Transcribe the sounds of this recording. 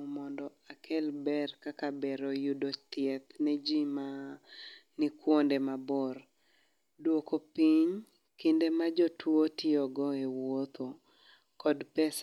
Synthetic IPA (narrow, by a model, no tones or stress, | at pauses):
mɔndɔ | akʰɛlbɛrkakabɛɾojudot̪ɪɛt̪ned͡ʒima | nɪkwondemabɔr | dwokopiɲ | kɪndemad͡ʒɔtwotɪɔɡɔewot̪ʰo | kɔdpɛs